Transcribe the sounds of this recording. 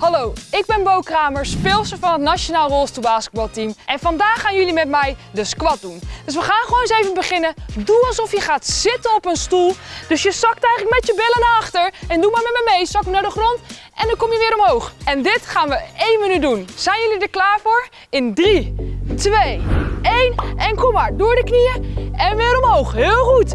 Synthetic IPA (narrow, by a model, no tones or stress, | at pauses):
hɑlowɪɡ̚bɛnbowkraːməɹspɪːlˠsəvɑnətnat͡ʃonaːlˠrɔlˠstubaːskət̚bɑlˠtimʔɛnfɑndaːχːaːnjɵlimɛtmɛjdəskʋɑt̚dund̥ɵs̬ʋəχaːnχəʋownsejvənbəχɪnəduɑlˠsɔfjəχaːtz̥ɪtənɔpənstulˠd̥ɵsjəzɑktɛjχələkmɛtjəbɪlənaɑχtəɹɛndumaːɹmɛtmɛjmejsɑkənaːɹdəχrɔnt | ʔɛndɑnkɔmjəʋɪːɾɔmɦowχɛndɪtχaːnʋəejnmənyt̚dunz̥ɛjnjɵlidəɹklaːɹvʊːɹ | ɪndritʋejejnʔɛnkɔmaːɹdʊːɹdəknijəɛnʋɪːɾɔmɦowχɦɪːlˠχut